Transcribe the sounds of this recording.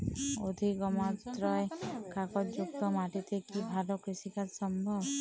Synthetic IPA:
od̪ʱikɔmat̪ɾɔekakɔd͡ʒuk̚t̪ɔmaʈit̪ekibʱalɔkɾisikat̪sɔmbʱɔb

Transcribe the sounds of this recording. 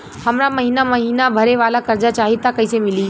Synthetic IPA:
həmɾaməɦinaməɦiːnabʱəɾeʋaːlakəɾd͡ʒat͡ʃaːɦit̪akəisemɪli

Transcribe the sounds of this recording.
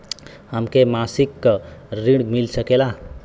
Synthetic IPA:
həmkemasikːɾiɽmilsəkela

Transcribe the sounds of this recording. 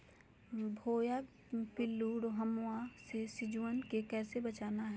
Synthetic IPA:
bʱoːja | pɪlːuːɽoɦɐmʊasesɪd͡ʒwənkekɛːsebɐt͡ʃaːnaɦɛ

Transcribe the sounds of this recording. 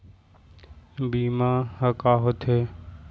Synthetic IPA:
biːmãːɦəkaːɦot̪ʰeː

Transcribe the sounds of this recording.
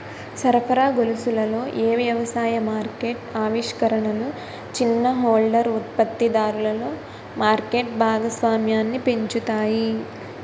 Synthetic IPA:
sɐɾpʰɐɾaːɡolusulɐlo̞ːʔeːʋjɐʋɐsaːjɐmaːɾkeːʈaːʋiʂkɐɾɐɳɐlu | t͡ʃinːɐɦoːlɖɐɾut̪̚pɐt̪ːid̪aːɾulɐlo̞ː | maːɾkeːʈ̚bʱaːɡɐsʋaːmjaːnːipe̞ɲt͡ʃut̪aːji

